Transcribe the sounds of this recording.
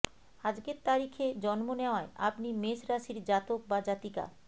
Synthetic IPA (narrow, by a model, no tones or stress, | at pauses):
ad͡ʑɡeɾt̪aɾikʰed͡ʑɔnmoneoaea̰pnimesɾaʃiɾd͡ʑat̪ok̚bad͡ʑat̪ika̰